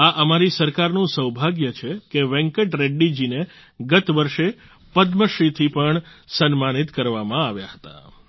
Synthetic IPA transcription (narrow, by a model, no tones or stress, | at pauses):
aʔəmaɾisəɾkaɾnũsəwbʱaɡjət͡ʃʰekeʋɛ̃ŋkəʈɾeɖːid͡ʒine | ɡət̪ʋəɾʃe | pəd̪məʃit̪ʰipəɳsənmanit̪kəɾʋamãaʋjaɦə̥t̪a̰